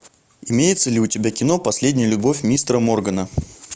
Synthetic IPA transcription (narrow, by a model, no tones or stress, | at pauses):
ɪmʲejɪt̪səlʲɪʊtʲɪbʲakʲɪno̞pɐsʲlʲedʲnʲɪjəlʲʊbo̞fʲmʲist̪ɾəmo̞rɡənə